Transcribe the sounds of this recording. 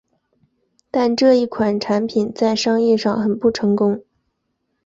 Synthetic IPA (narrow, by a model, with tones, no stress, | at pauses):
t̪a˥˧nʈ͡ʂɤ˥˧i˥˩kʰwa˨˩nʈ͡ʂʰa˧˥npʰi˨˩nt͡sa˥˧ɪʂɑ˥ŋjɛ˥˧ʂɑ˥˩ŋxə˨˩npu˥˩ʈ͡ʂʰɤ˧˥ŋkʊ˥ŋ